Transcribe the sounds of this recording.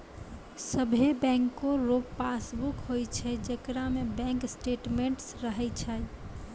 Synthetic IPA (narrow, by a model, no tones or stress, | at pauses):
səbʱebɛ̃ŋkoɾopːasbukɦojt͡ʃʰɛd͡ʒekɾamebɛ̃ŋksʈeʈmeɳʈsɾəɦɛt͡ʃʰəj